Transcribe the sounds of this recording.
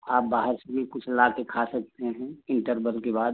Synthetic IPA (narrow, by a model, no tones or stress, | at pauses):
aːp̚baːɦəɾsemẽkʊt͡ʃʰɪlaːkekʰasɐk̚t̪eɦɛ̃ɪ̃ɳʈəɾbəlkebaːd̪̚